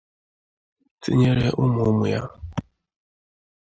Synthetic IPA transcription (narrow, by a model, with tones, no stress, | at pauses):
t͡sḭ˦ɲe˦ɾe˦ʔu˦mu˨˦mu˨ja˦